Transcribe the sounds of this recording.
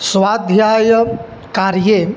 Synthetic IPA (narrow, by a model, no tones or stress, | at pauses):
sʋad̪ʱjajə | kaɾje